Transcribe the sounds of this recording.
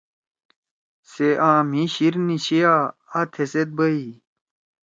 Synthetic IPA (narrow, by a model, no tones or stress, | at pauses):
seʔãːm̤iɕiɾniɕijaɐt̪ʰeset̪̚bəi